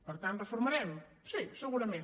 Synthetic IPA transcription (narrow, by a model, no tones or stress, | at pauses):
pəɾt̪ãnt̪rəfuɾmɐɾɛm | sisəɣuɾɐmẽn